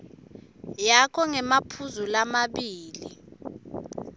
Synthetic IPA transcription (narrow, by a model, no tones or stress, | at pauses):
jakʰɔŋɛmapʰuzulamaɓiːli